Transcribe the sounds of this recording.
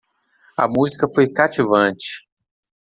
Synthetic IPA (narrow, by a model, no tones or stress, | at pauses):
ɐ̰muzikɐfojkat͡ʃivɐ̃t͡ʃɪ̥